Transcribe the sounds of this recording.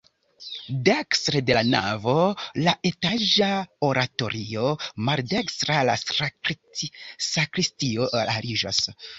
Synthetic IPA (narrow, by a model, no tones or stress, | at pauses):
dekstɾede̞lana̰vo̞laʔe̞taʒaoɾʔato̞ɾʔio̞maldekstɾala | sakɾistio̞ʔaɾid͡ʒa̰s